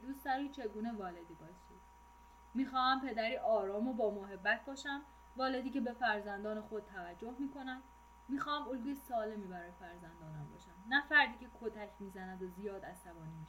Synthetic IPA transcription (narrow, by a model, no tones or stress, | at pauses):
lussæɾit͡ʃʰeɡuːne̞vɒːled̪iːbɒːesʃud̪ | miːxɒːhæmpʰe̞d̪æɾiːʔɒːɾɒːmobɒːmoɦe̞bːæt̪̚ʰbɒːʃæm | vɒːle̞d̪iːce̞be̞fæɾzænd̪ɒːnexod̪̚t̪ʰːævæd͡ʒːohmiːkʰo̞næm | miːxɒːhæmolɡisɒːle̞miːbæɾɒːjefæɾzænd̪ɒːnæmbɒ̰ːʃæmnæfæɾd̪iːcʲʰe̞kʰot̪æcʰmiːzænæd̪ozijɒːd̪æst̪ævɒːnimi